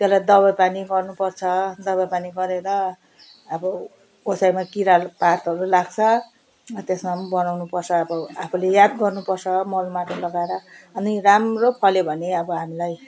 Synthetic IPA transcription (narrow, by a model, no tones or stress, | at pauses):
t̪jelajd̪ʌβʌjpaniɡʌrnupʌrt͡sʰʌd̪ʌβʌjpaniɡʌɾeɾʌː | bʌ | osajmakiɾalpart̪ɦʌɾulaɡt͡sʰʌ | ʌt̪esmambʌnawnupʌrt͡sʰʌːbʌapʰulejad̪ɡʌrnupʌrt͡sʰʌmʌlmaʈʰʌlʌɡaeɾʌʌniramropʰʌlebʱʌneʌbʌɦamilaj